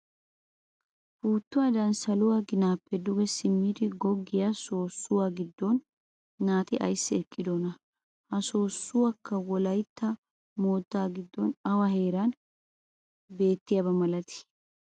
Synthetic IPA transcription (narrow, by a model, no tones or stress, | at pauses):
fuːt̪ːʊwaːd̪ɐnsɐlʊwaːɡɪnaːpːɛd̪ʊɡɛsɪmːiːd̪ɪɡɔɡːɪjaso̞ːsːʊwaːɡɪd̪ːɔnː | aːt̪ɪʔɐ̰jsːɪɛkʼːɪd̪ɔnɐ | hɐso̞ːsːʊwakːɐwɔlɐjt̪ːɐ | mo̞ːt̪ːaːɡɪd̪ːɔnɐwɐhe̞ːɾɐn | be̞ːt̪ːɪjɐbɐmɐlɐt̪ɪ̥